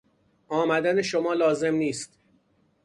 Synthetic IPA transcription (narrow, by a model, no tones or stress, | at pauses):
ʔɒːmæd̪æneʃomɒːlɒːze̞mniːst̪